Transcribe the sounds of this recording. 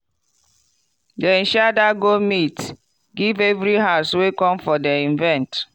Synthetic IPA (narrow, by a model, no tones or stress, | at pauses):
dɛĩʃadaɡomit | ɡivevɾiɦaʊswekɔ̃mfɔdɛĩnvɛ̃nt